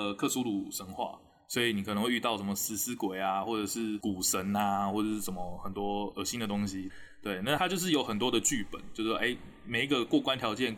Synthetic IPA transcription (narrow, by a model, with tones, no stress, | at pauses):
kʰɤ˥˩su˥lu˨˩ʂə˧˥ŋxwa̰˥˩˨ | swɔ˧˥i˨˩ni˨kʰə˨˩nə˦ŋxwe˥˧y˥˧t̪ɑ˥˩ʊʂə˧˥nmə˨˩sɹ̩˨˩sɹ̩˥kwe˨˩ɪa˦xwɔ˥˩ʈ͡ʂɤ˨˩ʂɻ̩˥˩ku˨˩ʂə˧˦˥na˧wɔ˥˩ə˨˩ʂ̩˥ʂə˧˥nmə˦xə˨˩nt̪wɔ˥ə˨˩ɕi˦˥nd̪ə˨t̪o˥ŋɕi˦ | t̪we˥˩ɪna˥˩t̪ʰa˥t͡ɕjo˥˧ʊʂ̬̩˥˩jo˧˥ʊxə˨˩nt̪̬wɔ˥d̪ə˨t͡ɕy˥˩pə̰˨˩˦nt͡ɕjo˥˧ʊʂ̩˥˩ʔe˥˦ɪ | me˨˩ɪi˧˥ɡə˧kwɔ˥˩kwa˥˦nt̪ʰjɑ˧˥ʊt͡ɕjɛ˥˩n